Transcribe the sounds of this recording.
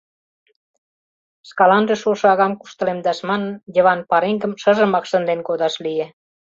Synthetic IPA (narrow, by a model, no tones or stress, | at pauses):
skɑlɑnʒĕʃoʃɤɑɣɑmku̥ʃt̪ə̆lemd̪ɑʃmɑnənjə̆βɑnpɑɾeŋɡə̆mʃə̆ʒə̆mɑkʃə̆nd̪enkod̪ɑʃlije